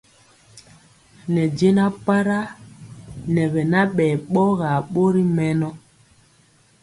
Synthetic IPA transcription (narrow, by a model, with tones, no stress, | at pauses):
nɛ˨d͡ʒe˦na˦pa˦ɾa˦ | nɛ˨βɛ˨na˦ɓɛː˨ɓɔ˦ɣa˨ɓo˦ɾi˦mɛ˦nɔ˦